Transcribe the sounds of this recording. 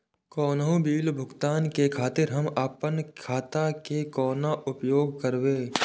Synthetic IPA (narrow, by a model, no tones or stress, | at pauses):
kɔːnɦũbiːlbʱʊɡt̪aːnkekʰaːt̪ɪɾɦɐmɐpənkʰaːt̪akekɔːnaʔʊpjoːɡ̚kəɾwẽː